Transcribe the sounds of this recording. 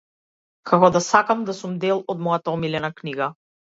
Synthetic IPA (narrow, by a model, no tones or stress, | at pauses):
kʰakɔd̪asakamd̪asumd̪ɛlˠɔd̪mɔjat̪aɔmilɛnakniɡa